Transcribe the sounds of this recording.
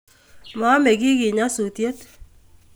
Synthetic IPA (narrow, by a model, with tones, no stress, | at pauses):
ma˨˦mɛ˨ɡɪ˦ɡɪ˨ɲa˦su˨tje˦t̪